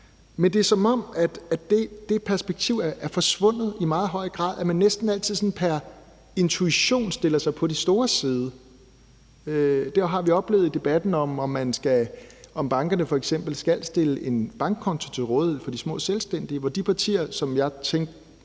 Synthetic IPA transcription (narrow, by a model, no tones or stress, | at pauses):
mend̥e̝ɐsɒ̽mɒ̽m̰æd̥æd̥e̝d̥e̝pʰæɐsb̥eɡ̥̚t͡sʰiʊ̰æʔæɐfɒ̽sʋɔ̽n̰ð̩ˠimɑ̈ːð̩ˠɦɒ̽ɪ̰ɡ̥ʁɑ̰̈ːðˠæmænːesd̥n̩æl̰t͡sʰið̰ˠsɔ̽npʰæɐ | e̝nt͡sʰuiɕo̝̰ːnsd̥e̝l̰ɐsɑ̈ɪpʰɒ̽d̥isd̥o̝ːɐsiːð̞ˠə | ød̥æɐɦɑ̈ʋiɒ̽b̥le̝̰ːʊð̩ˠid̥e̝b̥æd̥n̩ɒ̽mɒ̽mːænsɡ̥æɒ̽mb̥ɑ̈ŋɡ̥ɐnəfɒ̽eɡ̥sem̰b̥l̩sɡ̥æl̰sd̥e̝ləʔe̝nb̥ɑ̈ŋɡ̥̚kʰːɒ̽nt͡sʰo̝t͡sʰe̝lʁɔːðˠheð̰ˠfɒ̽d̥ismɔ̰̽ːselsd̥en̰d̥iʋɒd̥ipʰɑ̈t͡sʰḭːɐsɒ̽mjɑ̈ɪt͡sʰeŋ̰ɡ̥